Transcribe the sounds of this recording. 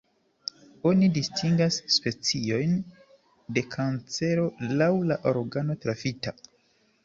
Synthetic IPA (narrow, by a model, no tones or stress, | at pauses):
o̞nidistʰiŋɡasːpe̞t͡sio̞jn | de̞kʰant͡se̞ɾo̞lawlaʔoɾɡano̞tɾafita